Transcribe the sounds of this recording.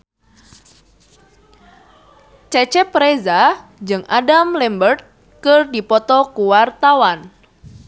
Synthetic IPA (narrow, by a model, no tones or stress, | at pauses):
t͡ʃɛt͡ʃɛpɾezad͡ʒɨŋʔadamlɛmbərt̪̚ | kərdipɔt̪ɔkuwart̪awan